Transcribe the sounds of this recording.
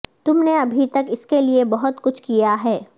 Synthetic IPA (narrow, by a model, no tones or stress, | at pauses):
t̪ʊmneɐbʱit̪ɐkɪskeliebɐɦʊt̪kʊt͡ʃʰkijaɦɛː